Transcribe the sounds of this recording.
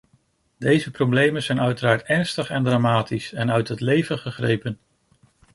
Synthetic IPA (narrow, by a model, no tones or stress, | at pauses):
dejzəprowblejmənz̥ɛjnœɥtəɾaːɹtɛɹnstəχɛndramaːtisɛnœɥtɦətlejvənχəχrḛjpən